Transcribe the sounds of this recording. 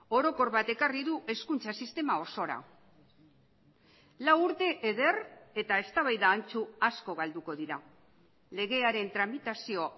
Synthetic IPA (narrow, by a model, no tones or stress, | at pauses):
o̞ɾo̞ko̞ɾβat̪e̞kariðuʔe̞skunt͡sasist̪e̞mao̞so̞ɾa̰ | lawuɾt̪e̞ʔeðe̞re̞t̪ae̞st̪aβajðaːnt͡suasko̞ɣald̪uko̞ðiɾa | le̞ɣ̞e̞aɾe̞nt̪ɾamit̪asio̞